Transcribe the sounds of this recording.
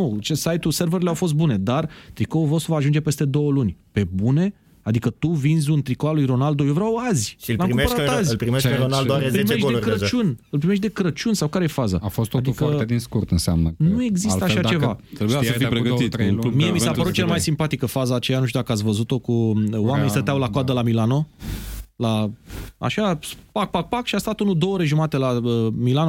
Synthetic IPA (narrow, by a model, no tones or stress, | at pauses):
nut͡ʃesajt̪use̞rvəɾileawfo̞s̬t̪̚bune̞d̪art̪ɾikoovɾawsəvaːʒund͡ʒe̞pe̞st̪e̞d̪o̞wəlunʲpe̞bune̞ | ad̪ikət̪uvinzʲunt̪ɾikoalujro̞nald̪ojovɾʲawazʲilamkpəɾatt̪azʲlpɾieonpɾimeeʃt̪ekɾət͡ʃunɨlpɾime̞ʃ̬t̪d̪e̞kɾət͡ʃunsawkaɾeje̞faza̰afostt̪oad̪ikəed̪inskurt̪ɨnseamnənue̞ɡzisslt̪əaʃat͡ʃe̞vat̪ɾebujaəfijpɾeɡt̪it̪miemisapəɾut̪̚t͡ʃelmajsimpat̪ikəfazaːt͡ʃejanuʃt̪ud̪akəat̪sʲvəzut̪o̞kuwame̞nist̪ət̪eawlakoad̪əlamilano̞ | laa̰ʃapak̚pak̚pakʃiast̪at̪unud̪ooɾe̞ʒumat̪e̞lamilano